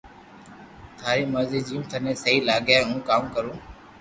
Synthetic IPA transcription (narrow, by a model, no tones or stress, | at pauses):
t̪ʰaːɾiːməziːd͡ʒiːmt̪ʰənẽːsəɦiːlaːɡjãːũːkaːmkəɾũː